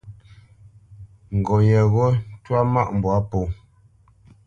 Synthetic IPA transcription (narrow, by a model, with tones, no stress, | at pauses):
ŋ̩˨ɡɔ˨jɛ˨ɣɔ˦twa˦ma˦˨ʔm̩˨bwa˦po˨